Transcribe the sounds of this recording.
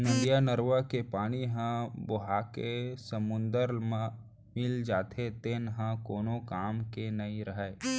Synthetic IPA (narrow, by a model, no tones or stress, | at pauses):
nɐdjanəɾʋakepaːɽ̃iɦãbʊɦaːkesəmʊ̃nd̪əɾmã | mɪld͡ʒaːt̪ʰet̪enɦãkoːnõkaːmkenɐĩɾəɦəe